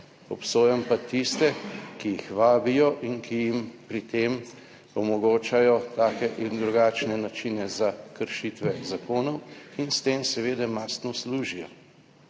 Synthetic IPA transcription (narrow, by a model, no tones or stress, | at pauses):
ɔpsoːjɛmpat̪ist̪ɛkijixʋaːbijɔʔinkʰijimpɾit̪eːm | ɔmɔɡoːt͡ʃajɔt̪aːkɛʔind̪ɾuɡaːt͡ʃnɛnat͡ʃinɛzakəɾʃit̪ʋɛzakoːnɔwinst̪eːmsɛʋeːd̪ɛmaːst̪nɔsluːʒijɔ